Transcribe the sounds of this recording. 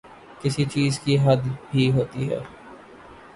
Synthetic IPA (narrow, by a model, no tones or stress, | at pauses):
kɪsit͡ʃiːzkiɦəd̪bʱiɦoːt̪iɦɛ̰ː